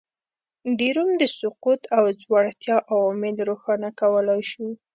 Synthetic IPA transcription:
d̪iɾumd̪əsʊqut̪awzwɑɽt̪jɑʔawɑmɪlɾoxɑnakawəlɑjʃu

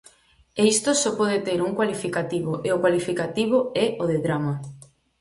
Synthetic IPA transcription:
eist̪osɔpɔðet̪eɾuŋkwalifikat̪iβoʔeokwalifikat̪iβ̞oɛʔoðeðɾama

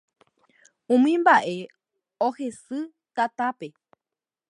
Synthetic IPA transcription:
ũmĩmbaʔe̞ | ohe̞sɨ | t̪at̪ape̞

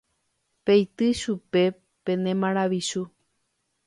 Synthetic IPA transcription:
pejt̪ɨʃupe̞ | pẽ̞nẽ̞mãɾ̃aʋiʃu

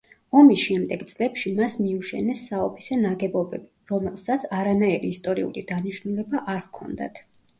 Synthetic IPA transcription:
ɔmisʃɛmd̪ɛɡ̥t̪sʼlɛpʃimasmiuʃɛ̰nɛsːaɔpʰi̥sɛnaɡɛbɔbɛbiɾɔmɛlˠsat̪sʰaɾanaiɾiːst̪ʼɔɾiṵlid̪̥aniʃnulɛbaʔaɾkʰɔ̰nd̪a̰t̪ʰ

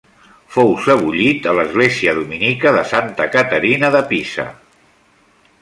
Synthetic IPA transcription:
fowsəβ̞uʎit̪ələzɣleziəðuminikəðəsant̪əkət̪əɾinəðəpisə̰

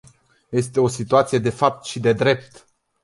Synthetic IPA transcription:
je̞st̪e̞o̞sit̪uat̪sije̞d̪e̞fap̚t̪ʃid̪e̞d̪ɾe̞p̚t̪

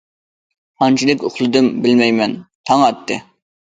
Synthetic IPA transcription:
ɑnt͡ʃʰilˠɪkʲoχlˠɨd̪ɪmbɪlmɛjmɛnt̪ʰɑŋɑt̪ʰːɨ

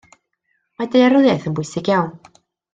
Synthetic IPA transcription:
madejaɾʊðjaθənbʊjsɪɡjawn

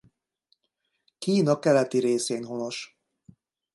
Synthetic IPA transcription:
kiːnɒkɛlɛt̪iɾeːseːnɦono̞ʃ

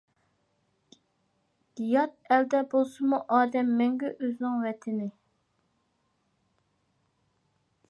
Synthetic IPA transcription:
ɡ̥ijɑt̪̚ɛld̪ɛbolˠsʊmuʔɑːd̪ɛmːɛŋɡʲɛʔøznɪŋwɛt̪ʰɪnɪ

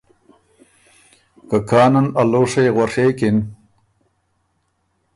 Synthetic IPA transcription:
kakʰaːnɐnaloːʂejɣɐʂeːkɪn

